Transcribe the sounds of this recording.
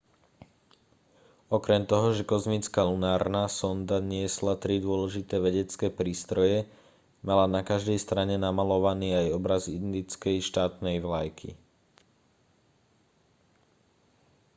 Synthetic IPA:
ɔkɾɛmt̪ɔɦɔʒɛkɔzmit͡skalunaːɾnasɔnd̪aɲɪɛslat̪ɾid̪ʊɔlɛʒit̪ɛːʋɛɟɛt͡skɛːpɾiːst̪ɾɔjɛ | malanakaʒd̪ɛjst̪ɾaɲɛnamalɔʋaniːajɔbɾazid̪nd̪it͡skɛjʃt̪aːt̪nɛjʋlajkʰḭ

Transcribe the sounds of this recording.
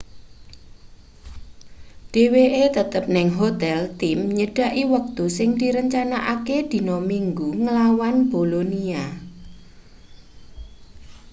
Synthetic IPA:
ɖ̥e̤weʔet̪ət̪əp̚nɪŋɦot̪ɛlt̪ɪmɲəɖ̥a̤ʔiwək̚t̪usɪŋd̪̥iɾəɲt͡ʃanaʔaked̪̥i̤nɔmiŋɡuŋəlawanb̥olonia

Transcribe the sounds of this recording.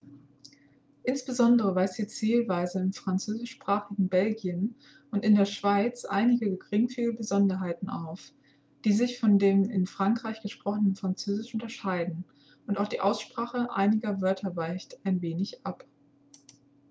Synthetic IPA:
ʔɪnsb̥əzɔndəʁəvaɪstiːt͡siːlvaɪzəɪnfʁ̥ant͡søːzɪʃpʁ̥aːχɪɡŋ̩bɛlɡiən | ʔʊntɪndeːɐʃv̥aɪt͡sʔa̰ɪnɪɡəɡəɡʁɪŋfiːləbəzɔndɐɦaɪtn̩ʔa̰ʊf | d̥iːzɪçfɔndeːmɪnfʁ̥aŋkʁ̥aɪçɡ̥əʃpʁ̥ɔχənənfʁ̥ant͡søːzɪʃʔʊntɐʃaɪdn̩ | ʔʊntaʊxd̥iːʔaʊsʃpʁ̥aːχəʔa̰ɪnɪɡɐvœɐtʰɐvaɪçtaɪnveːnɪçʔap

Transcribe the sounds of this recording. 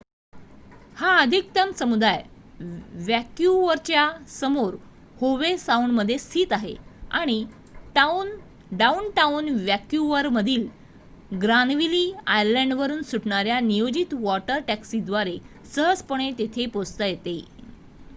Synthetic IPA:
haəd̪ʱik̚t̪əmsəmud̪ʱaj | ʋjækjuʋəɾt͡ɕjasəmoɾ | hoʋesaunməd̪ʱːjesiːt̪aɦḛaɽ̃i | ʈaun | ɖaunʈaunʋjækjuʋəɾməd̪ʱiːl | ɡɾanʋiliːajəɾlɛ̃ɳɖʋəɾuːnsuʈɳaɾjanijod͡ʑit̪ʋɔʈəɾʈæksid̪ʋaɾe | səɦəd͡zpəɳ̃et̪et̪ʰepost̪əjet̪e

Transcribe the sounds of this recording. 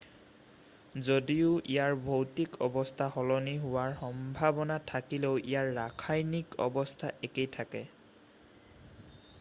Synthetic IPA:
zodiʊʔijaɹbʱowtikɔbɔstʰahɔlɔniɦʊwaɹxɔmbʱabɔnatʰakileʊʔijaɹːakʰajnikɔ̰bɔstʰaʔekejtʰakɛ

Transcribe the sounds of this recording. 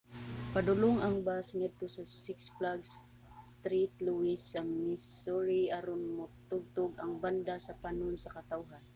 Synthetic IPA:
pɐd̪ʊloŋɐŋbasŋɛt̪osɐsɪksplaɡs | st̪ɾit̪̚luisːɐmisoɹiʔɐɾonmot̪ʊɡ̚t̪oɡɐŋband̪asɐpanʊnsɐkɐt̪awɦan

